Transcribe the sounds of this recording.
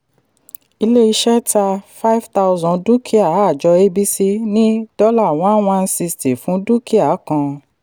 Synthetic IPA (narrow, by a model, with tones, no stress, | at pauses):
i˧le˦i˧ʃɛ˦ta˧fa˦i˦vta˧wzɔ̃˧du˦kʰi˦a˨˦a˦˨d͡ʒɔ˧e˦bi˦si˦nĩ˦d̥ɔ˦la˦˨w̃ɔ̃˨˦w̃ã˧˦n̩˦si˧sti˨fũ˨˦du˦ki˦a˨˦kã˧